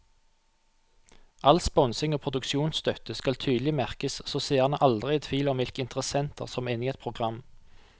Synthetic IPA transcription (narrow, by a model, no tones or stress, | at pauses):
ʔɑlspɔnsɪŋoːpʰʁʊd̪ʉkʃuːnsst̪œt̪əskɑlt̪ʰyːd̪lɪmæʁkəssoːseːʁnəʔɑld̪ʁɪɛt̪ʰʋiːlɔmʋɪlkəɪnt̪əʁəsɛnt̪ʰə̰ʁsɔmeniːɛt̪pʰʁʊɡʁɑm